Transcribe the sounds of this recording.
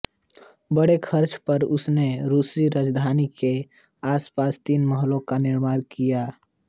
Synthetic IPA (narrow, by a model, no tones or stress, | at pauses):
bəɽekʰəɾt͡ʃpəɾʊsneɾusiɾad͡ʒd̪ʱanike | aspast̪inməɦlõkaniɾmaːɾkija